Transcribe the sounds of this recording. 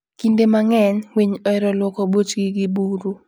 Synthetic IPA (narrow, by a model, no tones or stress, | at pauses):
kindemaŋɛɲwiɲɔɛɾɔlwɔkɔbot͡ʃɡiɡɪbuɾu